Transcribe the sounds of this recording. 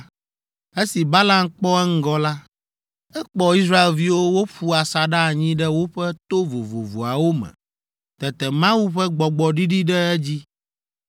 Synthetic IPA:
e˦si˨ba˦la˦mk͡pɔ˦ɛ˦ŋ̩˦ɡɔ˦la˦ | ɛ˦k͡pɔ˨i˦s̬ɾa˦e˨lvi˦wo˦wo˦ɸu˦a˨sa˨ɖa˦a˨ɲĩ˦ɖɛ˦wo˦ɸɛ˦t̪o˦vo˨vo̰˨vo̰˨a˨wo˦mɛ̰̃˨ | t̪ɛ˨t̪ɛ˨mã˦wu˦ɸɛ˦ɡ͡bɔ˨ɡ͡bɔ˨ɖi˦ɖi˦ɖɛ˦ɛ˦d͡ʑi˦

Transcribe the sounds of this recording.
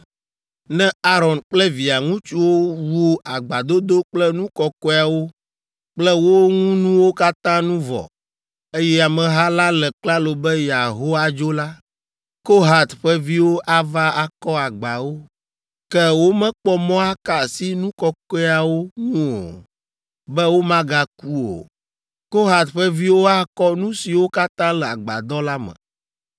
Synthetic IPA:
nɛ̃˦a˦ɾɔ˨nk͡plɛ˦vi˨a˨ŋũ˦t͡ʃu˦wo˦wu˦a˨ɡ͡ba˨d̪o˦d̪o˦k͡plɛ˦nũ˦kɔ˨kɔ˦a˨wo˦ | k͡plɛ˦wo˦ŋuũ˦nũ˦wo˦ka˦t̪ã˦nũ˦vɔ̰˨ | e˦jɛ˦a˨mɛ̃˨ɦa˦la˦lɛ˨k͡pla˦lo˨bɛ˦ja˨ɦo˦a˦d͡ʒo˦la˦ | ko˦ɦa˨t̪ɸɛ˦vi˦wo˦ʔa˦va˦a˨kɔ˦a˨ɡ͡ba˨wo˦ | kɛ˦wo˦mɛ̃˦k͡pɔ˦mɔ̃˦a˦ka˨si˦nũ˦kɔ˦kɔ˦a˨wo˦ŋũ˦o̰˨ | bɛ˦wo˦mã˦ɡa˦ku˦o̰˨ | ko˦ɦa˨t̪ɸɛ˦vi˦wo˦a˦kɔ˦nũ˦si˨wo˦ka˦t̪ã˦lɛ˨a˨ɡ͡ba̰˨d̪ɔ˦la˦mɛ̰̃˨

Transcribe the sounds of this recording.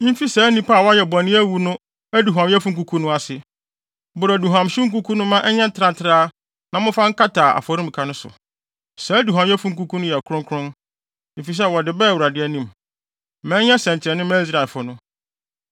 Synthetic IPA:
m̩˦fi˦sɛ˨˦nĩ˦pa˦˨wɔ˦jɛ˨bɔ̃˨nɪ̃˦æ˦wu˦nʊ̃˦ | æ˦du˨ɦã˨mjɛ˦fu˦ŋ̩˦ku˦kʰu˦nʊ̃˦a˨sɪ˨ | bʊ˨ɾɔ˨du˨ɦã˨mɕɪ̃˦ŋ̩˦k̬u˦kʰu˦nʊ̃˦mã˦ʔɛ˦ɲɛ̃˦n̩˦tʰɪ˨ɾã˨ntʰɪ˨ɾaː˦ | nã˨mʊ̃˦fã˦ŋ̩˦kʰa˦tʰaː˨ʔa̰˨fɔ˨ɾũ˦m̩˨kʰa˨nʊ̃˦sʊ̰˨ | sɛ˨˦du˨ɦã˨mjɛ˦fũ˦ŋ̩˦ku˦kʰu˦nʊ̃˦jɛ˨kʰɾʊ̃˦ŋkʰʊ˦ɾʊ̃˦n˦ | m̩˨fi˨s̬ɛ˦˨wɔ˨dɪ˨bɛ˦˨wu˨ɾa˨dɪ˦ɛ˦nĩ˦˨m | mɛ̃˨˦ɲɛ̃˦sɛ̃˨ɲ˨t͡ɕʰɪ˨ɛ˨nʊ̃˦mɛ̃˦i˦s̬ɾa˨lfʊ˨nʊ̃˦

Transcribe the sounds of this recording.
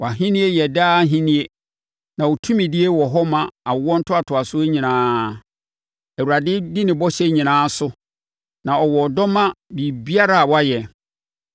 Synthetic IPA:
wɔ˨a˨ɦĩ˦nĩ˦e˦jɛ˨daː˦ɦĩ˦nĩ˦e˦ | nã˨wo˨tʰũ˦mĩ˨dɪ˦e˦wɔ˨ɦɔ˦mã˨a˨˦wɔ̃˦n̩˦tʰʊ˦a˨tʰʊ˨a˨sʊ˦e˦ɲĩ˨nãː˦ | æ˨wu˨ɾa˨dɪ˦di˦nɪ̃˨bɔ˦ɕɛ˦ɲĩ˨nãː˦sʊ˦ | nã˨ɔ˨wɔ˨dɔ˦mã˦bi˨bi˦a˦ɾa˦˨a˨wɔ˦a˦jɛ˨

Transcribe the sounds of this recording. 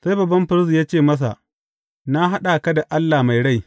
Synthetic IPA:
sa˦jbɐ˨bːɐ˦mɸɪ˦ɾsi˨jaː˦t͡ʃeː˦˨mɐ˦s̬a̰˨ʔ | na˦ɦa˦ɗa˨kɐ˦da˨ʔa˦lːaː˨ma˨jɽa˦j

